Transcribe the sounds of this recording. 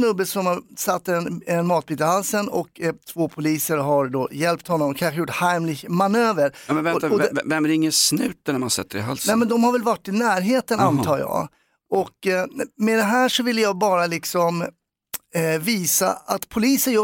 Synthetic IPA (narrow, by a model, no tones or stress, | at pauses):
snɵbːəsɔmhaɾsat̪ːɛnɛnmɑːt̪̚biːt̪ahalsənɔkt̪ʰvoːpʰʊliːsəɾɦaɾɖ̪oːjɛlpt̪hɔnːɔmɔkʰanɧəjʊʈːhaɪmlɪmanøːvəɾmɛvɛaɔvɛmːæɾɪŋːəsnʉ̟ːt̪ənæɾmansɛ̰t̪ːəɾɪɦa̰lsnɛmɛnd̪ɔmhaɾvɛlvaʈːɪnæːɾɦeːt̪ənant̪ʰɑːɾjɑ̰ː | ɔkmɛd̪ɛɦæːʂɔvɪlːəjɑːɡbɑːɾalɪksɔm | viːsa̰at̪pʰʊliːsəjœː